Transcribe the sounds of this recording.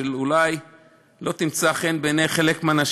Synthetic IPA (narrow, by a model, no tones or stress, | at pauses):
elulaj | lo̞t̪imt͡saχenbenejχe̞lekmeanaʃ